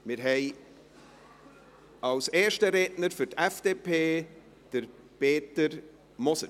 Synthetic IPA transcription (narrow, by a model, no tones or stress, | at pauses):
mɪɾɦɛɪ | ɑwseːɾʃtəɾeːdnəɾfʏtɛfd̥eːpʰeː | d̥əɾ | peːtəɾ | mɔsə